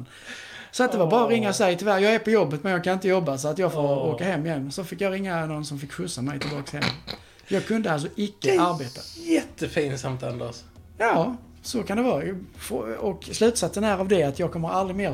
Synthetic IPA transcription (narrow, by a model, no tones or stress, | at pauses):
n | sɔat̪̚d̪ɛvaɾbɑːɾaɾɪŋːasɛjt̪ʰɪlvæɾjɑːɡɛɾpʰɔjɔbːət̪mɛnjɑɡkʰanɪnt̪əjɔbːasɔat̪jɑːɡfoːɾoːkaɦɛmːɪjɛnːsɔfɪkːjɑɾɪŋːanɔnsɔmfɪkːɧɵsːamɛjt̪ʰɪlbɑːkshɛmː | jɑːɡ̚kʰɵnd̪əals̬ɔɪkːəʔaɾbeːt̪ajɛt̪ːəfiːnsamt̪ʰa̰nd̪a̰sjɑː | sɔkʰand̪ɛvɑːfɔkslʉ̟ːt̪sat̪sənæːɾavd̪ɛat̪jɑːɡ̚kʰɔmːəɾald̪ɾɪmeː